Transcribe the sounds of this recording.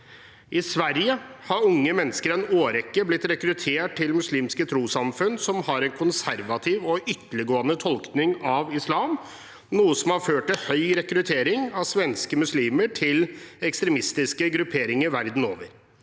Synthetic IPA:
ʔɪsʋæɾjəhɑɾʊŋːəmɛnːəskəɾɛnoːɾɛkːəblɪt̪ɾɛkɾʉt̪ʰeːʈ̚ʈʰːɪlmʉsliːmskət̪ʰɾuːsɑmfʉnsɔmhɑɾɛnkʰʊnsæɾʋɑt̪ʰɪːʋɔʔʏt̪ələɡoːənət̪ʰɔlknɪŋɑʋɪslɑːm | nuːəsɔmhɑɾføːʈːɪlhœʏɾɛkɾʉt̪ʰeːɾɪŋɑʋsʋɛnskəmʉsliːməʈʰɪlɛkst̪ɾɛmɪst̪ɪskəɡɾʉpʰeːɾɪŋəɾʋæɾd̪n̩o̰ːʋəɾ

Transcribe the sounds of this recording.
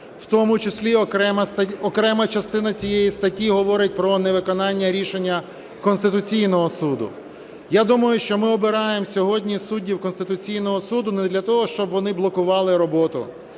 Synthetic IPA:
wt̪ɔmʊt͡ʃesʲlʲiɛɐɔkɾɛmɐt͡ʃɐst̪ɪnɐt͡sʲijejist̪ɐtʲiɦɔʋɔɾɪt̚ʲpɾɔneʋɪkɔnɑnʲːɐɾʲiʃenʲːɐ | kɔnst̪ɪt̪ʊt͡sʲijnɔɦɔsud̪ʊ̰ | jad̪umɐjʊʃt͡ʃɔmɪɔbɪɾɑjemsʲɔɦɔdʲnʲisudʲːiwkɔnst̪ɪt̪ʊt͡sʲijnɔɦɔsud̪ʊnɛd̪lʲɐt̪ɔɦɔʃt͡ʃɔbʋɔnɪblˠɔkʊʋɑlˠɪɾɔbɔt̪ʊ̰

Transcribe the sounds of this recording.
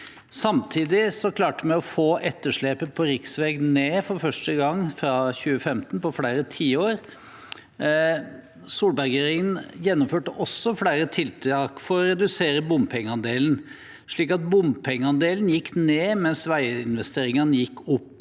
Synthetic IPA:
sɑmt̪ʰiːd̪ɪsɔkʰlɑːʈəmɛɔfoːʔɛt̪ːəʂɭeːpəpʰɔɾɪksʋɛːɡneːfɔɾfœʂʈəɡɑŋːfɾɑçʉːəfɛmt̪n̩pɔfɽæɪɾət̪ʰiːoːɾ | suːlbæɾɡeɾɪŋənjɛnːɔmføːʈəʔɔsːɔfɽæɪɾət̪ʰɪlt̪ʰɑkfɔɾɔɾɛd̪ʉseːɾəbʊmpʰɛŋːəɑnd̪eːln̩ | ʂɭiːkɑt̪̚bʊmpʰɛŋːəɑnd̪eːlənjɪkːneːmɛnsʋæɪəɪnʋɛst̪eːɾɪŋɑnəjɪkːʊpː

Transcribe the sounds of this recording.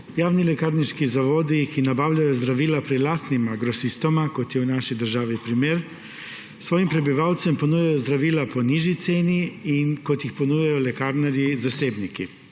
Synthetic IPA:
jaːwnilɛkaɾniʃkizaʋoːd̪ikinabaːwlʲajɔzd̪ɾaʋiːlapɾɛd̪laːst̪nimaɡɾɔsist̪ɔmakot̪jɛwnaːʃid̪əɾʒaːʋipɾimeːɾ | sʋoːjimpɾɛbiʋawt̪sɛmponujajɔzd̪ɾaʋiːlapɔniʒit̪seːniinkot̪jixpɔnujajɔlɛkaːɾnɛɾjizaseːbniki

